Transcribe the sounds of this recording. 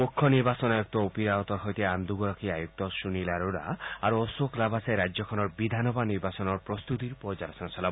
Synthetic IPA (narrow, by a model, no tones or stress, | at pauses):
pokʰːɔniɾbasɔnajuk̚t̪ɔupiɾaɔt̪ɔɾɦɔjt̪ieand̪uɡɔɾɔkʰiajuk̚t̪ɔsunilaɾoɾa̰aɾuɔsoklabʱasaeɾad͡ʒjɔkʰɔnɔɾbid̪ʱanɔbaniɾbasɔnɔɾpɾɔst̪ut̪iɾupɔd͡ʒaɾɔsɔnɔsɔla